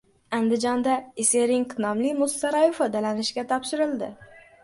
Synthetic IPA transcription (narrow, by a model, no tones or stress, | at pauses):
and̪ɪd͡ʒɒnd̪aɪseɾɪŋknɒmlɪmʊst̪aɾajufad̪alanɪʃkʲat̪ʰɒpʃɪɾɪld̪ɪ̰